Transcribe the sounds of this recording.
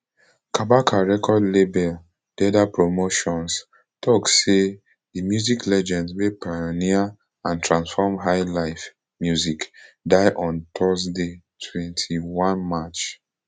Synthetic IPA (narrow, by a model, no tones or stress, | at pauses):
kabakʰaɹɛkʰɔdlebɛl | d̥ɛdapɹomoʃɔ̃ns | tʰɔkse | dimjuziklɛd͡ʒɛ̃ndwepajonia | ãntɹãnsfɔmɦaɪlaɪf | mjuzikdaɪʔɔ̃ntʰɔsde | tʰwɛ̃ntʰiwãnmat͡ʃ